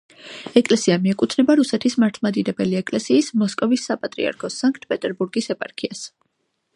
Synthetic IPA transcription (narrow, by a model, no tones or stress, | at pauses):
ɛkʼlɛsiamiɛkʼut̪ʰnɛbaɾusɛt̪ʰismaɾt̪ʰˠmad̪id̪ɛbɛliɛkʼlɛsiːsmɔskʼɔvisːapʼat̪ʼɾḭa̰ɾkʰɔsaŋkʰt̪̚ʰpʼɛt̪ʼɛɾbuɾɡisɛpʼaɾkʰias